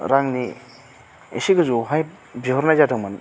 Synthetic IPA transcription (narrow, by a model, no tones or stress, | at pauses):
ɾaŋni | ḛsiɡɯzuɦaj | biɦɔɾnajzadʰɯŋman